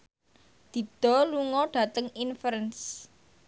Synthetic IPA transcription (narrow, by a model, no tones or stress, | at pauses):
d̪̥i̤d̪̥ɔ̤luŋɔɖ̥ä̤t̪əŋinfɾəns